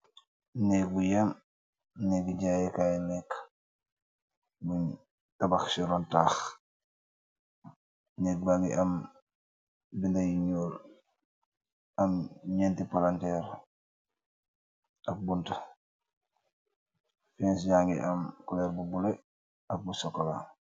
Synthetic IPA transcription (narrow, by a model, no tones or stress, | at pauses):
nɛk̚bujam | nɛkiɟajɛkajɛnɛkː | buɲ | tabaxsiɾɔntaːx | nɛːk̚baɡiʔɐm | bindajiɲoːl | ɐmɲɛntipalantɛːɾ | ɐk̚bunta | fɛːns̬ɟaːŋɡḭʔɐmkulɛɾbubulɛ | ɐk̚busɔkːɔla̰